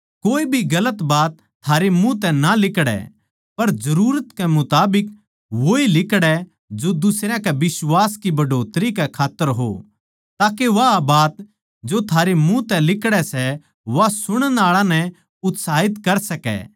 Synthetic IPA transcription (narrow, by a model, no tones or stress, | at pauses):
koːibʱiɡɐlət̪baːt̪ʰːaːɾemũt̪ɛ̃nalɪkɽɛ̰ | pɐɾd͡ʒɐɾuːɾət̪kɛmʊt̪aːbɪk | ʋoːilɪkɽɛ | d͡ʒod̪ʊsɾjãkɛʋɪsʋaːskibɐɖʱoːt̪ɾikɛkʰaːt̪ːəɾɦo̰ | t̪aːkeʋabaːt̪̚ | d͡ʒot̪ʰaːɾemũt̪ɛ̃lɪkɽɛsɛ | ʋasʊɽ̃ənaːɭãnɛ | ʊt̪saːɦɪt̪kɐɾsɐkɛ̰ː